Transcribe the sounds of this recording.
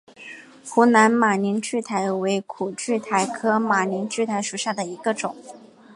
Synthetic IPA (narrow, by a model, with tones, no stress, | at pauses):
xu˧˥na˧˥nma˨˩ni˧˥nt͡ɕy˥˩t̪ʰa˧˥ɪwe˧˥ɪkʰu˨˩t͡ɕy˥˩t̪ʰa˧˥ɪkʰɤ˥ma˨˩ni˧˥nt͡ɕy˥˩t̪ʰa˧˥ɪʂu˨˩ɕja˥˩d̪ə˩i˧˥ɡə˧ʈ͡ʂʊ˨˩˦ŋ